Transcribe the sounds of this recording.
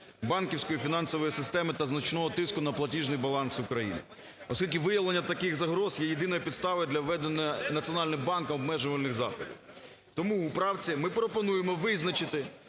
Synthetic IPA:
bɑnkʲiwsʲkɔjifʲinɑnsɔʋɔjisɪst̪ɛmɪt̪ɐznɐt͡ʃnɔɦɔt̪ɪskʊnɐplˠɐtʲiʒnɪjbɐlˠɑnsʊkɾɐjḭnɪ̰ | ɔ̰sʲkʲilʲkʲɪʋɪjɐʋlˠenʲːɐt̪ɐkɪxzɐɦɾɔzjɛjed̪ɪnɔjɐpʲid̪st̪ɑʋɪd̪lʲɐwʋɛd̪enɐjɐnɐt̪t͡sʲiɔnɑlʲnɪmbɑnkɐmɔbmɛʒʊʋɐlʲnɪxzɑ̰xɔdʲḭw | t̪ɔmuːpɾɑwt͡sʲimɪpɾɔpɔnujemɔʋɪznɐt͡ʃɪt̪ɪ

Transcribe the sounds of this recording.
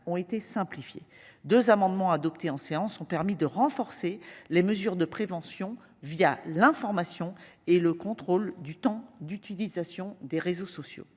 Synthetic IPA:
ɔ̃et̪esɛ̃plifjḛd̪øzamɑ̃d̪mɑ̃ad̪ɔpt̪ʰeɑ̃seɑ̃sɔ̃pɛʁmid̪əʁɑ̃fɔʁseleməzyʁd̪əpχevɑ̃sjɔ̃ | vijalɛ̃fɔʁmasjɔ̃ | eləkɔ̃t̪χold̪yt̪ɑ̃d̪yt̪ilizasjɔ̃d̪eʁezosɔsjo̰

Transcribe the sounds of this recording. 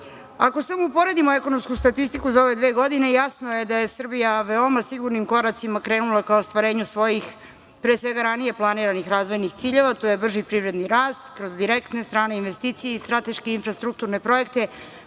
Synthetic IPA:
ako̞samoupo̞ɾe̞d̪imo̞eko̞no̞mskust̪at̪ist̪ikuzao̞ʋe̞d̪ʋeːɡo̞d̪ine̞jasnoje̞d̪aje̞sr̩bijaʋeo̞masiɡuɾnimko̞ɾat̪simakɾe̞ːnulˠakaost̪ʋaɾe̞ːɲusʋo̞jix | pɾeːsʋe̞ɡaɾanije̞plˠaniːɾanixɾaːzʋo̞jnixt̪siːʎe̞ʋat̪oje̞br̩ʒipɾiʋɾe̞d̪niɾaːst̪kɾo̞zd̪iɾekt̪ne̞st̪ɾaːne̞inʋest̪iːt̪sijeist̪ɾat̪e̞ʃkeinfɾast̪ɾuk̚t̪uɾne̞pɾo̞je̞k̚t̪e̞

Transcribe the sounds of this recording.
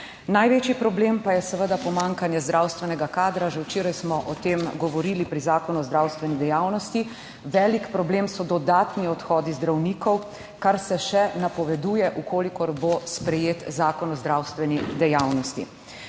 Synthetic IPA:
najʋeːt͡ʃjipɾɔbleːmpajɛsəʋəd̪apɔmaŋkanjɛzd̪ɾawst̪ʋɛnɛɡakaːd̪ɾaʒɛwt͡ʃeːɾajsmɔʔɔt̪emɡɔʋɔɾilipɾizaːkɔnuɔzd̪ɾawst̪ʋɛnid̪ɛjaːwnɔst̪i | ʋɛːlikpɾɔbleːmsɔd̪ɔd̪aːt̪niɔt̪xɔːd̪izd̪ɾawnikɔw | kaɾsɛʃɛnapɔʋɛd̪uːjɛʔukoːlikɔɾbospɾɛjeːt̪zaːkɔnɔzd̪ɾawst̪ʋɛnid̪ɛjawnɔst̪ḭ

